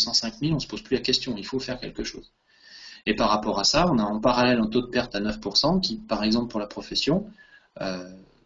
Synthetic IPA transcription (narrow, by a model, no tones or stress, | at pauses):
sɑ̃sɛ̃kmilɔ̃sə̥poz̥plylakʲɛst̪jɔ̃ilfofɛʁkʲɛlkəʃo̰ːz | epaʁːapɔʁasaɔ̃naɑ̃paʁalɛlɑ̃t̪od̪əpɛʁt̪anœfpuʁsɑ̃kʲipaʁɛɡzɑ̃pləpuʁlapχɔfɛsjɔ̃ | ø